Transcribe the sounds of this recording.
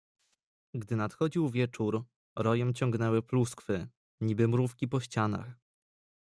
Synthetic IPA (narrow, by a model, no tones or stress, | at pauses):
ɡd̪ɘnat̪xɔd͡ʑiwvʲjɛt͡ʂuɾ | ɾɔjɛmt͡ɕɔŋɡnɛwɘpluskfɘ | ɲibɘmɾufkʲipɔɕt͡ɕana̰x